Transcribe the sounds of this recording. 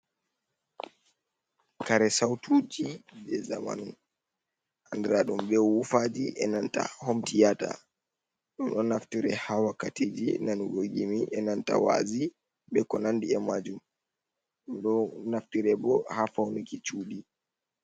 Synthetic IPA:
kaɾɛsawtʰud͡ʒibɛzama̰nun | ʔandɛɾaɗumbɛwufad͡ʒiʔɛnanta̰hɔmtijata̰ | ɗumɗɔnːaftiɾɛhawakatid͡ʒinanuɡoɡimiʔɛnanta̰wa̰zi | ɓɛkɔnandiɛmad͡ʒum | ɗumɗɔnaftiɾɛbɔhafawnikit͡ʃuːɗi

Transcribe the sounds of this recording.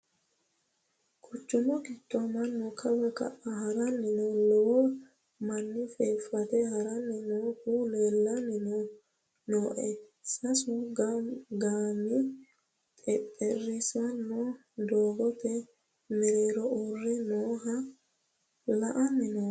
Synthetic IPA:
kʰʊt͡ʃːʊmɔɡɪt̪ːɔmɐnːɔkʰɐbɐkɐ̰ʔɐhɐɾɐnːɪnɔlɔwɔ | mɐnːɪfeːfːɐt̪ɛhɐɾɐnːɪnɔhuleːlːɐnːɪnɔ | noːʔɛsɐsʊɡaɡaːmɪ | t̪ʼɛpʼːɛrːɪsɐnːɔ | d̪oːɡɔt̪ːɛ | mɛɾeːɾɔʔɔrːɛnoːhɐ | lɐʔɐnːɪnɔ

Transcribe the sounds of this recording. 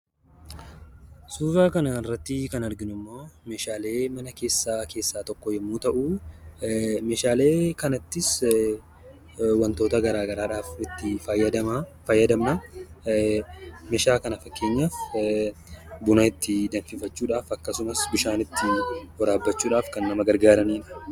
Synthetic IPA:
suːzaːkɐnɐɪrːɐt̪ːɪkɐnɐɾɡɪnʊmːoːme̞ːʃaːle̞ːmɐnɐke̞ːsːaːkʰe̞ːsːaːt̪ɔkːɔjɛmːuːt̪ɐʔu | meːʃaːle̞ːkɐnɐt̪ːɪs | wɐnt̪o̞ːt̪ɐɡɐɾaːɡɐɾaːᶑaːfɪt̪ːɪfɐjːɐd̪ɐfɐjːɐd̪ɐmnɐ | meːʃaːkɐnɐfɐkːe̞ːɲːaːf | bʊnɐɪt̪ːɪd̪ɐnfɪfɐt͡ʃːuːᶑaːfɐkːɐsʊmɐsbɪʃaːnɪt̪ːɪhɔɾaːbːɐt͡ʃːuːᶑaːfkɐnːɐmɐɡɐɾɡaːɾɐniːᶑɐ̥

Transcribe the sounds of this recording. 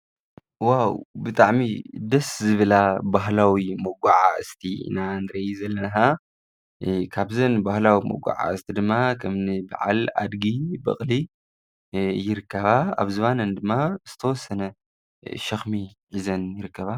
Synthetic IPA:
wawbɨt̪ʼaʕmid̪ɐszɨβɨlabaɦlawimɐɡʷaʕa̰ɨ̰st̪ʰiḭnanɨɾɐjizɐlːɐnɐɦa | kʰaβzɐnbahlawimɐ̰ɡʷa̰ʕa̰ɨst̪ʰid̪ɨmːakʰɐmnɨba̰ʕa̰la̰d̪ɡibɐ̰χʼli | jɪɾɨkʰːɐβaa̰βzɨβanɐnd̪ɨmːaz̥ɨt̪ʰɐwɔsːɐnɐ | ʃɐxmiʕizɐnjɪɾɨkːɐβa

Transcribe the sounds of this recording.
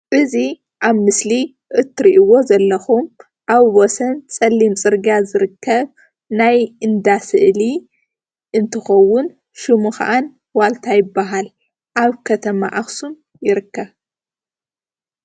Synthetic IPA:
ʔɨzi | ʔaβmɨsli | ʔɨt̪ʰːɨɾiʔɨwo̞zɐlːɐxum | ʔaβwɔsɐnt͡sʼɐlːimt͡sʼɨɾɡazɨɾɨkːɐβ | najɨnd̪asɨʔli | ʔɨnt̪ʰɨxɐwːʊn | ʃɨmuxa̰ʔan | walt̪ʰajɪbːaɦal | ʔaβkʰɐt̪ʰɐma̰ʔaxsum | jɪɾɨkːɐβ

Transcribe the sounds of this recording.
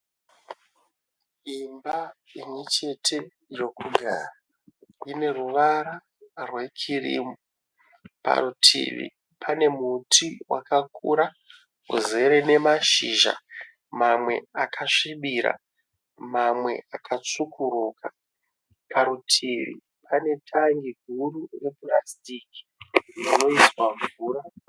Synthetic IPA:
imbaimwet͡ʃe̞tʰe̞ | iro̞kuɡʱaːra | ine̞ruʋaɾa | rwe̞kʰirḭːmu | pa̰rutʰḭːʋḭ | pʰane̞mutʰiwʔa̰kakʰuɾa | ɦṵze̞ɾene̞maʃiːʒa̰ | mamwe̞̰akʰaʂiɓiɾa̰ | mamwe̞̰akʰat͡sukʰuɾuːka | kʰaɾutʰiʋḭ | pʰane̞tʰaŋɡiɡʱurure̞plastiːki̥ | rrino̞iswaɱvuːra

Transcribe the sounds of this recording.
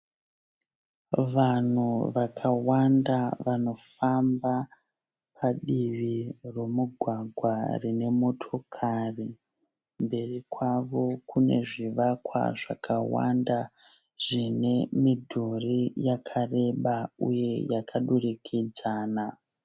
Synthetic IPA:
ʋan̤uʋakʰawandaʋano̞famba | pʰaɗiʋiromuɡʱwaɡʱwarine̞mo̞tʰo̞kʰari | mbe̞rikwaʋo̞kune̞̰ʐiʋakwa̰ʐakawa̰nda | ʐ̥ine̞midʱurijakʰare̞ɓaṵje̞jakʰaɗurikʰid͡zaːna

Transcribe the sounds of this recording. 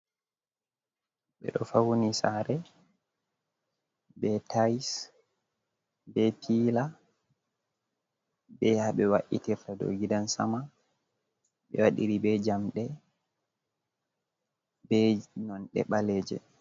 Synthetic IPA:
ɓɛ̰ɗɔfawonisaɾɛ | bɛtajs | bɛpʰiːla | bɛhaɓɛwaʔitiɾtado̰ɡidansa̰ma | ɓɛ̰waɗiɾibɛd͡ʒamɗɛ | bɛnɔnɗɛ̰ɓaleːd͡ʒɛ̰

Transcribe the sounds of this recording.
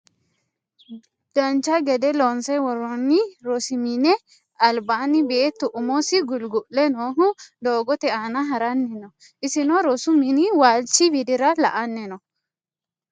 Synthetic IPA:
d̪̥ɐnt͡ʃːɐɡɛd̪ɛlonsɛwɔɾɔnːɪɾɔsɪmɪnɛ | ɐlbaːnɪbeːt̪ːʊʔʊmɔsɪɡʊlɡʊʔlɛnoːɦʊd̪oːɡɔt̪ɛaːnɐɦɐɾɐnːɛnɔ | ʔɪsɪnɔɾɔsʊmɪnɪwaːlt͡ʃːɪbɪd̪ɪɾɐlɐ̰ʔɐnːɛnɔ

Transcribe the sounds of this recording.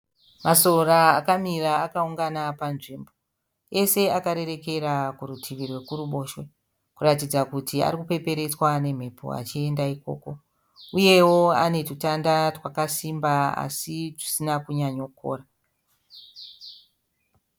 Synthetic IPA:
maso̞raːkamiraːkauŋɡanapanʐiːmbo̞ | e̞se̞akaɾe̞re̞ke̞rakuɾutʰiʋirwe̞kuruɓo̞ːʃwe | kuratid͡zakutʰia̰rikupe̞pe̞ɾe̞t͡swane̞m̤e̞pʰo̰a̰t͡ʃie̞ndaiko̞̰ːko̞ | uje̞wo̞a̰ne̞tutandarwakasimbaa̰siʐisinakuɲaɲokʰo̰ːra

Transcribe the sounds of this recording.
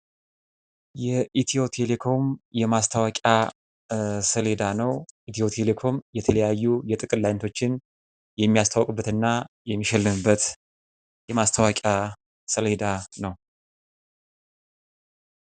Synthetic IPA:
jɛʔit̪ʰijo̞t̪ʰe̞le̞kʰo̞mjɛmast̪ʰawakʼa | səle̞d̪anəwʔit̪ʰijo̞t̪ʰe̞le̞kʰo̞mjɛt̪ʰələjajːujɛt̪ʼɨkʼɨlajnt̪ʰo̞t͡ʃːɪn | jɛmːijast̪ʰawkʼɨbːət̪ɨnːa | jɛmːiʃɛlːɨmɨbːət̪ | jɛmast̪ʰawakʼa | səled̪anəw

